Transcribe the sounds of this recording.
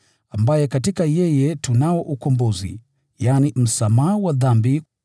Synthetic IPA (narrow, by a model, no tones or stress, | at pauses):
ambajɛkatikajɛjɛtunaɔʔukɔmbɔzḭ | janim̩samaawaðambi